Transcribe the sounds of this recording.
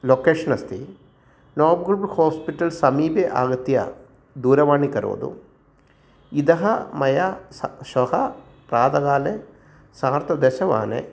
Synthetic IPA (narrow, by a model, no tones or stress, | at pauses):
loːkeːʂɐnɐst̪i | noːɾbɡuɾbhoːspiʈɐlsɐmiːbeʔa̰ːɡɐt̪jɐ̰ | d̪uːɾɐʋaːɳikɐɾṵʋɐ̰d̪ṵ | id̪ɐɦɐmɐjɐʃɐɦɐ | pɾaːd̪ɐɡaːle | saːɾt̪ɐd̪ɛʃɐʋa̰ːnḛ